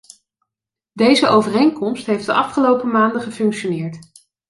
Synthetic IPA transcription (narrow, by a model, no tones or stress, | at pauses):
dejzəʔowvərejŋkɔmstɦejfdəʔɑfχəlowpəmaːndəχəfɵŋkʃonɪːɹt